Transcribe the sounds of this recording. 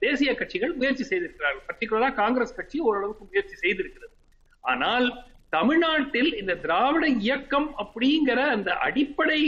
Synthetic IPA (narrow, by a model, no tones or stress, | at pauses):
d̪eːsɪjɐkɐʈ̚t͡ʃɪɣɐɭmʊjɐɾt͡ʃisɛjðɪɾɯkːɪɾaːɾɣɐɭpɐt̪ɾɪkːɯɭɐðaːkaːŋɡɾeːskɐʈ̚t͡ʃiɔɾɯɐɭɐʋɯkːɯmʊjɐɾt͡ʃisɛjðɪɾɯkːɪɾɐðɯ | a̰ːnaːlt̪ɐmɪɻnaːʈːɪlɪnd̪ɐd̪ɪɾaːʋɐɽɐɪjɐkːɐmɐpːɐɽɪŋɡɪɾɐːnd̪ɐʔɐ̰ɽɪpːɐɽɐɪ